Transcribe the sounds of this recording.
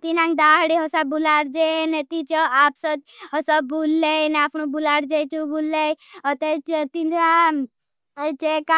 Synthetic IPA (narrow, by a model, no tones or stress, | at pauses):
t̪inãŋɡd̪aɽiɦɔsabulaɽd͡ʒenet̪it͡ʃɔapsɔd̪ɦɔsɔbulːeneapnũbulaɾd͡ʒet͡ʃubʱulːeɔt̪et̪ind̪ɾã | t͡ʃeka